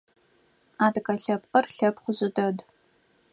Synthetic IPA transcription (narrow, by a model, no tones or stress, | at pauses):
aːdkʼɐɬɐpʼqʼɐrɬɐpχʷʊʑɪdɐd